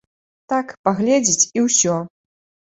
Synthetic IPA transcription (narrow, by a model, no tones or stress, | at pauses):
t̪akpaɣlʲɛd͡zʲit͡sʲiwsʲɔ